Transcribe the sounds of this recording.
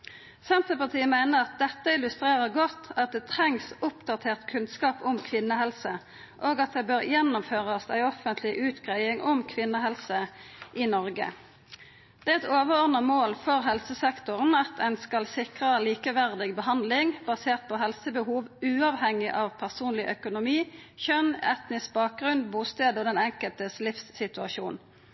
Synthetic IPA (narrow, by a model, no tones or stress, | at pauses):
sɛnt̪əpɑʁt̪ʰiːəmæɪnəʁɑt̪̚d̪ɛt̪ːəɪlʉst̪ʁeːʁəʁɡɔt̪ːɑt̪̚d̪ɛt̪ʰʁɛŋsʊpd̪ɑt̪ʰeːʁt̪kʰʉnskɑːpʊmkʰʋɪnːəhɛlsə | ʔoːɡɑt̪̚d̪ɛbøːʁjɛnːʊmføːʁɑsæ̰ɪɔfənt̪ʰlɪʔʉːt̪ɡ̥ʁæɪɪŋʔɔmkʰʋɪnːəɦɛlsəʔɪnɔʁɡə̰ | d̪̥ɛːɛt̪oːʋəʁɔʁd̪nəmoːlfɔʁɦɛlsəsɛkt̪ʊʁənɑt̪ʰæɪnskɑlsɪkʁəliːkəʋæʁd̪ɪɡbəɦɑnd̪lɪŋbɑseːʁt̪̚pʰɔɦɛlsəbəhuːʋʉːɑʋhɛŋɪʔɑʋpʰæʁsuːnlɪʔœkʊnʊmiːçœnɛt̪nɪsbɑːk̚ɡʁʉnbuːst̪eːd̪oːd̪ɛnɛŋkəlt̪əslɪfsːɪt̪ʉɑʃuːn